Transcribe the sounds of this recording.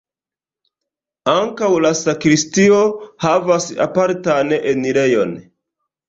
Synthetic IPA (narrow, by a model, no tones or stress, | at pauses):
aŋkawlasakɾistio̞havasa̰paɾtanʔeniɾe̞jo̞̰n